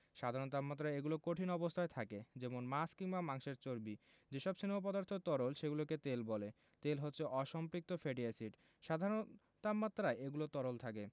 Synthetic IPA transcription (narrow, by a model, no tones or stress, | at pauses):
ʃad̪ʱaɾont̪apmat̪ːɾaeeɡulokoʈʰinɔbost̪ʰaet̪ʰaked͡ʑɛmonmaskiŋbamaŋʃeɾt͡ɕoɾbi | d͡ʑeʃɔbʃinmop̬ɔd̪aɾt̪ʰot̪ɔɾolʃeɡuloket̪elbɔle | t̪elɦot̪ːɕʰeʔɔʃɔmpɾik̚t̪ofʰeɖiasiʈ | ʃad̪ʱaɾon | t̪apːat̪ːɾaeeɡulot̪ɔɾolt̪ʰake